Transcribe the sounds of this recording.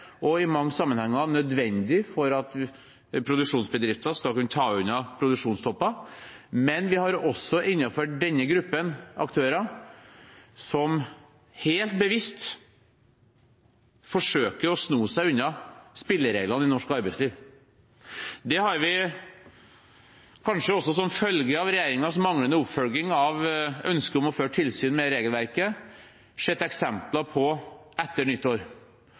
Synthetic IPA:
ɔɪmɑŋːəsɑmːənhɛŋːɑnœd̪ʋɛnd̪ɪfɔɾɑt̪ | pʰɾʊd̪ʉkʂuːnsbəd̪ɾɪft̪ɑskɑlkʉnːət̪ʰɑːʉnːɑpʰɾʊd̪ʉkʂuːnst̪ʰɔpːɑ | mɛnʋɪhɑɾɔsːɔʔɪnːɑfœɖɛnːəɡɾʉpːənɑ̰kt̪ʰøːɾɑ | sɔm | heːlt̪̚bəʋɪst̪ | fɔʂøːkəɾɔsnuːsæɪʉnːɑspɪlːəɾeːɡlɑnɪnɔʂkɑɾbæɪsliːʋ | d̪ɛhɑɾʋɪ | kʰɑnʂəɔsːɔsɔmfœlɡəɑʋɾɛjeːɾɪŋɑsmɑŋlənəʊpfœlɡɪŋɑʋœnskəɔmɔføːʈʰɪlsyːnmɛɾeːɡəlʋæɾkə | ʂɛt̪ːɛksɛmplɑpʰɔʔɛt̪ːəɳʏt̪ːoːɾ

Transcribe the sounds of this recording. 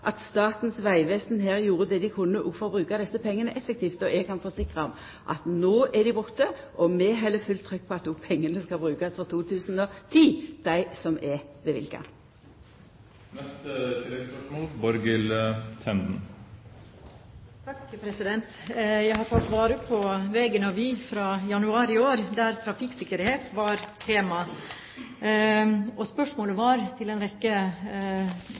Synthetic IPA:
ʔɑt̪st̪ɑːt̪n̩sʋæɪʋɛst̪nɦæːʁjuːɾəd̪ɛd̪ɪkʰʊnːəʔʊfɔʁbʁʉːkɑd̪ɛsːəpʰɛŋːənəʔɛfːək̚t̪ʰiːft̪ɔʔɛɡ̚kʰɑnfɔsɪkʁɑɔm | ʔɑ̰t̪noːʔɛd̪ɪbʊt̪əʔɔmɛɦɛlːəfʉlt̪ʰʁʏk̚ːpʰɔɑt̪̚d̪ʊpʰɛŋːənəskɑbɾʉːkɑsfɔt̪ʰuːt̪ʰʉːsn̩ɔt̪ʰiːd̪̥æɪsɔmʔɛɾʋɛʋɪ̰lkɑ̰ | nɛst̪ət̪ʰɾɛspœʂmoːlbɔɾɡɪlt̪ʰɛnd̪n̩ | t̪ʰɑkpʰɾɛsɪd̪ɛnt̪jæɪhɑɾt̪ʰɑlt̪ʋɑːɾəpʰɔʋeːɡənəɔʋɪfɾɑːjɑnʉɑːɾɪoːɾd̪æɾt̪ʰɾɑfɪksɪkːəɾheːt̪ʋɑɾt̪ʰeːmɑ | ʔɔspœʂmoːləʋɑɾt̪ʰɪlɛnɾɛkːə

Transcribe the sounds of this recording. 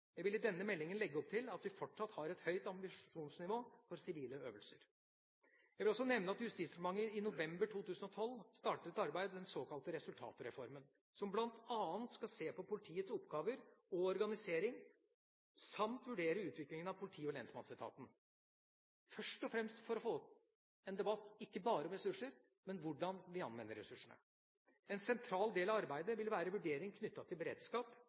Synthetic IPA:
jæɪʋɪlɪd̪ɛnːəmɛlːɪŋənlɛɡːəɔp̚t̪ʰɪlɑt̪ʋɪfɔʈʂɑt̪ːhɑɾɛt̪hœʏt̪ɑmbɪʂuːnsnɪʋoːfɔɾsɪʋiːləøːʋəlsəɾ | jæɪʋɪlɔs̬ɔnɛʋnəɑt̪jʉst̪iːsd̪ɾmɑŋːəɪnʊʋɛmbəʈʰuːt̪ʉːsənɔt̪ʰɔlːst̪ɑːʈət̪ɑɾbæɪd̪d̪ɛnsoːkɑlt̪əɾɛsʉlt̪ʰɑ̰ːt̪əɾɛfɔɾmən | sɔmblɑnt̪ɑːənt̪skɑlseːpɔpʰʊlɪt̪ʰiːət̪sʊpːɡɑːʋəɾɔɔɾɡɑnɪseːɾɪŋ | sɑmt̪ʋʉɖeːɾəʉːt̪ʋɪklɪŋənɑʋpʰʊlɪt̪ʰiːɔleɛːnsmɑ̰nsɛt̪ʰɑ̰ːt̪n̩ | fœʂʈɔfɾɛmst̪fɔɾɔfoː | ɛnd̪ɛbɑt̪ːɪkːəbɑːɾəɔmɾɛsʉʂəɾ | mɛnʋʊɖɑnʋɪɑ̰nʋɛnːəɾɛ̰sʉʂəɳə̰ | ɛnsɛnt̪ʰɾɑːld̪eːlɑʋɑɾbæɪd̪əʋɪlʋæːɾəʋʉɖeːɾɪŋkʰnʏt̪ːɑt̪ʰɪlbəɾḛːd̪skɑːp

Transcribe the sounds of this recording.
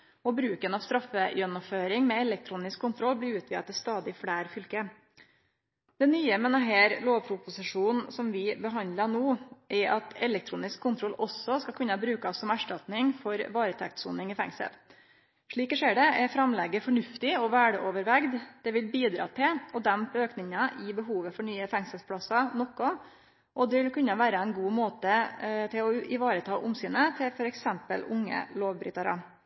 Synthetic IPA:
ɔbɾʉːkənɑʋst̪ɾɑfːəjœnːɔføːɾɪŋmɛɛlɛk̚t̪ʰɾuːnɪskʰːʊnt̪ʰɾɔlːblɪʉːt̪ʰʋiːɑt̪ːɪst̪ɑːd̪ɪfɽæːɾfʏlkə | d̪̥ɛnyːəmɛnɑɦeːɾloːʋpʰɾʊpʊsɪʂuːnn̩sɔmʋɪbəɦɑnd̪lɑnoːʔɛɾʔɑt̪ɛlɛk̚t̪ʰɾuːnɪskʰːʊnt̪ʰɾɔlɔsɔskɑkʰʉnːɑbɾʉːkɑsːɔmæʂʈɑt̪nɪŋfɔɾʋɑːɾət̪ʰɛ̰k̚t̪sṵːnɪŋifɛ̰ŋsə̰l | ʂɭiːkəʂeːɖɛʔɛɾfɾɑmlɛɡːəfɔɳʉft̪ɪɔʋæːɖəʔoːʋəɾʋɛɡd̪d̪̥ɛʋɪlbiːd̪ɾɑ̰ːt̪ʰɪlɔd̪ɛmpøːknɪŋɑʔɪbəɦuːʋəfɔɳyːəfɛŋsəlspʰlɑsɑnɔkːɔ | ʔɔd̪ɛʋɪlkʉnːɑʋæːɾəɛnɡuːmoːt̪ət̪ʰɪlɔʔɪʋɑːɾət̪ʰɑːʔʊmsyːnət̪ʰɪfɔɾɛksɛmpə̰lʊŋːə̰loːʋbɾʏ̰ːt̪ɑɾə̰

